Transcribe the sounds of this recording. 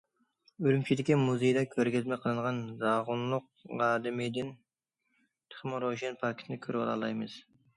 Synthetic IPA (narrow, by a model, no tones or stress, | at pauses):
ølymt͡ʃʰilɪkʲːɛmuzejd̪ɑkʲʰøɾɡʲɪzmɛjqʰəlˠɨɴʁɑnzɑʁʊnlˠʊq̚ | ʁɑːd̪ɪmɪd̪ɪn | t̪ʰɪ̥χɪmɾoʒenpʰɑkʲʰe̥t̪ʰnɪkʲʰøɾɪbɑ̰lˠɑ̰lˠɑ̰jmɨz̥